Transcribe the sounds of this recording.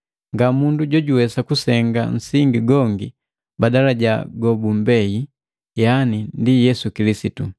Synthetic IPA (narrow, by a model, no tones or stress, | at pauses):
ŋɡamunduɟɔɟuwɛsakusɛŋɡa̰n̩siŋɡiɡɔŋɡi | badalaɟaɡɔbum̩bɛji | janindijɛsukilisitu